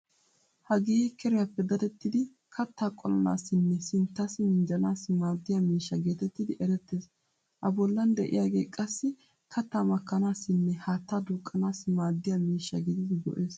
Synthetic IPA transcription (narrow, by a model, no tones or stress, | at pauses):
hɐɡeːɪkɛɾɪjapːɛd̪ɐd̪ɛt̪ːɪd̪ɪ | kʰɐt̪ːaːkʼɔlɐna̰ːsɪnːɛsɪnt̪ːɐsɪmɪnd͡ʒɐnaːsːɪmaːd̪ːɪjamiːʃːɐɡe̞ːt̪ɛt̪ːɪd̪ɪʔɛɾɛt̪ːe̞ːs | hɐbɔlːɐnd̪ɛʔɪ̰jaːɡe̞ːkʼɐsːɪ | kʰɐt̪ːaːmɐkːɐnaːsːɪnːɛhaːt̪ːaːd̪uːkʼːɐnaːsːɪmaːd̪ːɪjamiːʃːɐ̰ɡɪd̪ɪd̪ɪɡɔ̰ʔeːs